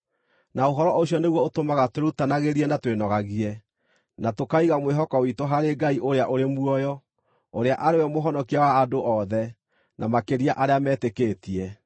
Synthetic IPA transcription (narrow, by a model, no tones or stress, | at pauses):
naoɦɔɾɔʔoɕjɔneɣwɔotomaɣatweɾutanaɣeɾiɛnatwenɔɣaɣiɛ | natokaiɣamweɦɔkɔwitoɦaɾeɡaiʔoɾeaʔoɾemwɔjɔ | oɾeaʔaɾewɛmoɦɔnɔkiawaːdoʔɔðɛ | nʔamakeɾiaʔaɾeamɛːtekeːtiɛ